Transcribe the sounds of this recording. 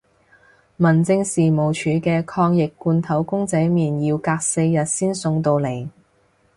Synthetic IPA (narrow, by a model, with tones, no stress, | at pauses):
mɐ˨˩nt͡sɪ˧ŋsiː˨mo˨˩wt͡ʃʰyː˨˥kɛː˧kʰɔː˧ŋjɪ˨kːuː˧nt̪ʰɐ˨˥wkʊ˥ŋt͡sɐ˨˥jmiː˨njiː˧wkaː˧k̚se˧jːɐ˨t̚siː˥nsʊ˧ŋt̪̬o˧wle˨˩j